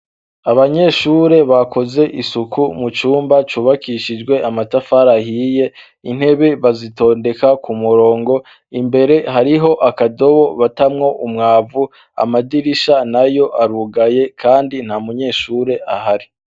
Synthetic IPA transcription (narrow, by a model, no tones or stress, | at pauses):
aβaɲe̞ʃuːɾe̞βako̞ze̞ʔisukumut͡ʃuːmbat͡ʃuːβakiʃid͡ʒɡwe̞ʔamatafaɾahiːje̞ | in̥he̞βe̞βazito̞ːnde̞kakumuɾo̞ːŋɡo̞ | imbe̞ɾe̞ɦaɾiɦo̞ʔakado̞βo̞βatamŋo̞ʔumŋaːvu | a̰madiɾiʃanajo̞ʔaɾuɡaje̞kʰaːndin̥hamuɲe̞ʃuːɾe̞ʔaɦaɾi